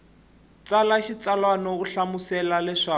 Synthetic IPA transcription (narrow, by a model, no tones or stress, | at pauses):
t͡salaʃit͡salwanɔkuɬamusɛlalɛʂaː